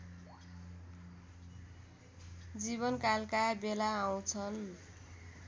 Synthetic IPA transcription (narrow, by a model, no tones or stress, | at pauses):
d͡ziβʌnkalkabelaaw̃t͡sʰʌn